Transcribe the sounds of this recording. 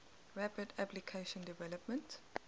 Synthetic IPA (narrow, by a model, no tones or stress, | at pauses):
ɹæpədaplikʰeʃɔ̃ndivɛləpmə̃nt